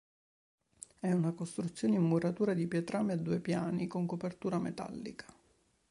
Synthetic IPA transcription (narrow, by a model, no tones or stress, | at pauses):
ɛunakost̪ɾut̪sːjoːneimːuɾat̪uːɾad̪ipjɛt̪ɾamead̪ːuːepjaːnikoŋkopert̪uːɾamḛt̪a̰lːḭkʰḁ